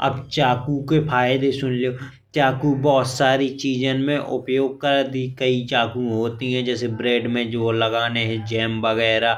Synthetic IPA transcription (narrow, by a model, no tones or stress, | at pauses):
ɐ̰bt͡ʃaːkukepʰaːjd̪esʊnlioː | t͡ʃaːkubɔːt̪saːɾit͡ʃiːd͡ʒənmẽʔʊpjoːɡ̚kəɾd̪ikəit͡ʃaːkũɦoːt̪iɦɛ̃d͡ʒɛːsebɾeːɖmẽd͡ʒoːləɡaːneɦɛ̃d͡ʒɛːmbəɣɛːɾaː